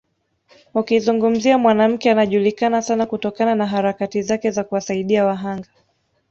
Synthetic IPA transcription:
ukizuŋɡum̩ziamwanam̩kɛanaʄulikanasanakutɔkananaɦaɾakatizakɛzakuwasaiɗiawaɦaŋɡa

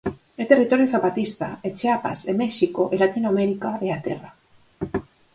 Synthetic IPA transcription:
et̪e̞rit̪o̞ɾjoθapat̪ist̪a̰e̞t͡ʃeapa̰semeʃiko̞ʔelat̪inoame̞ɾikaβe̞at̪e̞̰ra

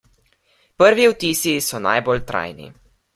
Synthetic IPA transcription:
pəɾʋiwt̪iːsisɔna̰jbolt̪ɾa̰jnḭ

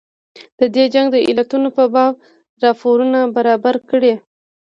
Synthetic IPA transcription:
d̪̥əd̪ed͡ʒaŋɡd̪əʔḭlat̪unopəbɑb̚ | ɾɑfoɾunabaɾɑbaɾkəɽe

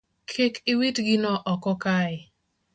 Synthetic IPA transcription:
kʰekɪwitɡɪnɔʔɔkɔkaɪ

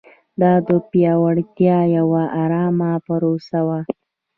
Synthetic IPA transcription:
d̪ɑd̪əpjɑwaɽt̪jɑjawaʔaɾɑmapəɾosawa

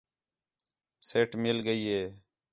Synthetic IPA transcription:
seːʈmɪlɡəiːɦeː

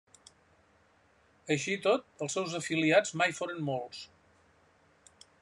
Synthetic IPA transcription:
əʃit̪ot̪̚əlˠsːɛwzəfiliad͡zmajfoɾənmolˠs

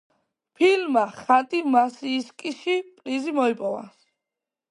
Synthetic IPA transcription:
pʰilmaχat̪ʼimasiːskʼiʃipʼlizimɔipʼɔva̰s

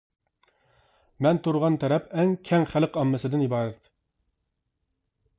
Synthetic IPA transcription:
mɛnt̪ʰuɾʁɑnt̪ʰɛɾɛpɛŋkʲʰɛŋχælˠqɑmːɨsɨd̪ɪnibɑːɾɛt̪̚

